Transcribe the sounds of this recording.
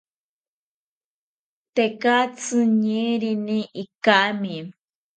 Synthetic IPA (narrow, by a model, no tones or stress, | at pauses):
t̪ekat͡sɨɲiɾinĩʔikaʔmĩ